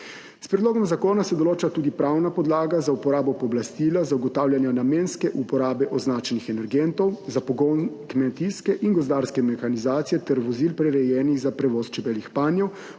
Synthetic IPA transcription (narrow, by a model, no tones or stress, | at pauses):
spɾɛd̪loːɡɔmzakoːnasɛd̪ɔloːt͡ʃat̪uːd̪ipɾawnapɔd̪laːɡazaupɔɾaːbɔpɔblast̪iːlazauɡɔt̪aːwljanjanameːnskɛʔupɔɾaːbɛʔɔznaːt͡ʃɛnixɛnɛɾɡɛnt̪ɔwzapɔɡɔnkmɛt̪iskɛʔinɡɔzd̪aːɾskɛmɛxanizaːt̪sijɛt̪ɛɾʋɔzilpɾɛɾɛjɛːniɣzapɾɛʋɔːst͡ʃɛbɛlixpaːnjɛw